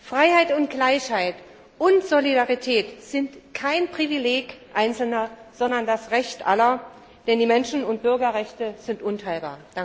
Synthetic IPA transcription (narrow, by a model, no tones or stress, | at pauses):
fʁ̥aɪhaɪtʊntɡ̥laɪçhaɪt | ʔʊntz̥olidaʁitʰɛːtz̥ɪntkʰaɪnpʁ̥ivileːɡʔaɪnt͡sl̩nɐz̥ɔndɐndasʁɛçtʔa̰lɐ | d̥ɛndiːmɛnʃn̩ʊnt̚b̥ʏɐɡɐʁɛçtəz̥ɪntʔʊntʰaɪlba̰ːɐ̥